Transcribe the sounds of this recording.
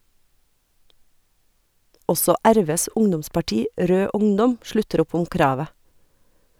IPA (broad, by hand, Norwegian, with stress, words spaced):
ˈɔsɔ ˈæɾˌʋeːs ˈʊŋdʊmspɑˌʈiː ˈɾøː ˈʊŋdɔm ˈʃlʉtəɾ ˈʊp ˈʊm ˈkɾɑːʋə